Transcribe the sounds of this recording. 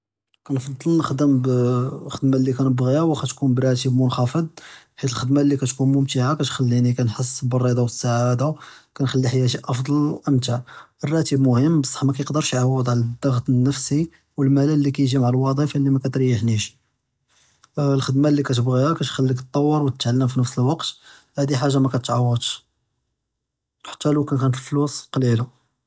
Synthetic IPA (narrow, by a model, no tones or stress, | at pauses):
kænfɑd̪ˤːəlnəxd̪əmbxəd̪malːikænəbɣihæwxæt̪kunbrˤɑt̪̬əbmʊnxɑfəd̪̚ˤ | ħit̪əlxəd̪malːikæt̪kunmʊmt̪iʕakæt̪xælːiʕnikænħəsˤːbərˤːid̪ˤɑwsːaʕad̪akænxælːiħjæt̪iʔɑfd̪ˤɑlʔəmt̪aərˤːɑt̪əbmʊhəmːbəsˤːɑ̥ħmækæjəqd̪əɾˤʃʕawːəd̪ˤʕlæd̪ːɑɣt̪nːəfsi | wəlmælælːikæjʒimaʕalwɑd̪ˤiflːimækæt̪ɾjəħniʃ | lxəd̪mælːikæt̪əbɣihækæt̪xælːikt̪ˤːɑwːəɾwət̪ə̥t̪ʕalːəmfinəfsəlwɑqt̪ | hæd̪iħaʒːamækæt̪ət̪ʕawːəd̪ˤʃ | ħə̥t̪ːælukænkænət̪əlflusˤqlila